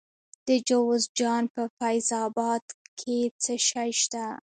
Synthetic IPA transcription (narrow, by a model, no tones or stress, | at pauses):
d̪̥əd͡ʒawzd͡ʒɑnpəfajzɑbɑd̪kʰet͡səʃajʃt̪a